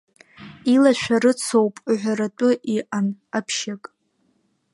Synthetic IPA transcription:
ilaʃʷᶣaɾɨt͡sʰowpʼʕʷaɾatʷʼʊʔiʔanapʰʃakʼ

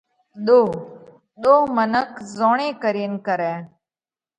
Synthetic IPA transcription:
ɗ̪oː | ɗ̪oːmənəkzõːɳ̃ẽːkəɾiːnkəɾɛ̃ː

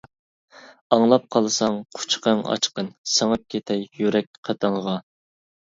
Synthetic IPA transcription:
ɑŋlˠɑp̚qʰɑlˠsɑŋqʰʊ̥t͡ʃqəŋɑ̰t͡ʃqənsəŋəp̚kʲʰet̪ʰɛjjyɾɛk̚ʲqʰɑt̪ʰɑŋʁɑ

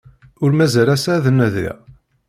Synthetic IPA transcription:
ʊɾmæzæɾæsæðənːæðḭ

